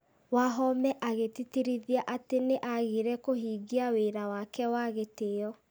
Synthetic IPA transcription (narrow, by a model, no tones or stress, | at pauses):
waɦɔmɛʔaɣetitiɾiðiaʔateneʔaɣiɾɛkoɦiːɣiaweɾawakɛwaɣeteɔ